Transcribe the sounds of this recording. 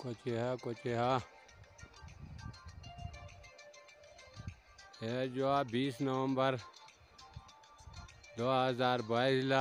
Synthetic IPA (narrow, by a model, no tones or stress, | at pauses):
kot͡ʃeɦakot͡ʃeɦa | eːd͡ʒoabiːsnɐwə̃mbəɾ | d̪oːɦɐzaːɾbaːisla